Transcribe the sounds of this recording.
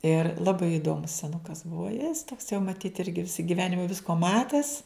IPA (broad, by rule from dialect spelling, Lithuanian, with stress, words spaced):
ɪr lˠɐˈbɐɪ ɪˈdoːmʊs sʲɛˈnʊkɐs ˈbuɔ jɪs toːks jɛʊ mɐˈtʲiːt ˈɪrʲɡʲɪ ˈʋʲɪsɐ ɡʲɪˈʋʲæːnʲɪmɐ ˈʋʲɪskoː ˈmɑːtʲɛs